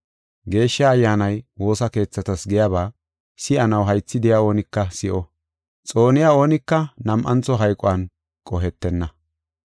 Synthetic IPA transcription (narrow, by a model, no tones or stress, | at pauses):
ɡe̞ːʃːaːjːaːnɐjwo̞ːsɐke̞ːt͡sːɐt̪ɐsɡɛjaβaː | sɪʔɐnɐwɦɐjt͡sːɪd̪ɪjao̞ːnɪkːɐsɪʔɔ | t͡sʼo̞ːnɪjao̞ːnɪkːɐnɐmʔɐnt͡sɔɦɐjkʼɔwɐn | kʼɔɦɛt̪ːɛnːɐ